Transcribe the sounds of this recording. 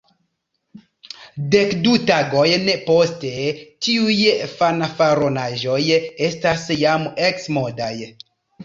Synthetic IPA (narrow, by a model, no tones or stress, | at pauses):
de̞kdutaɡo̞jnepo̞stetiujfanafaɾonaʒo̞je̞stasjameksmo̞daj